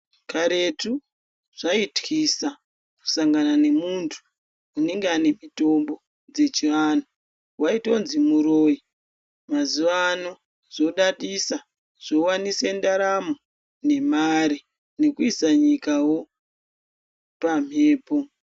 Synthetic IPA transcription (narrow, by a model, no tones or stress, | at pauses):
kaɾe̞tu | ʐ̥aitwisa | ku̥saŋɡanane̞muntʰu̥ː | ne̞ŋɡeane̞mito̞mbo̞ | d͡ze̞t͡ʃiʋano | waito̞nzimuɾo̞ːji | mazuʋano | zo̞ɗaɗisa | ʐ̥o̞wanisendaɾamo | ne̞maɾi | ne̞kuisaɲikawo̞ | pam̤ʱe̞ːpo̞